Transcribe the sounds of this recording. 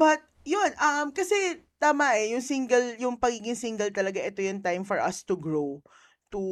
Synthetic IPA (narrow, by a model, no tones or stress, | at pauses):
bɐt̪̚jonʔɐmkɐsɛt̪aːmɐʔɛjʊŋsiŋɡɐljʊŋpɐɡiːɡɪŋsiŋɡɐlt̪ɐlɐɡaʔɛt̪ojʊŋt̪ajmfɔɹʔɐst̪uɡɹow | t̪u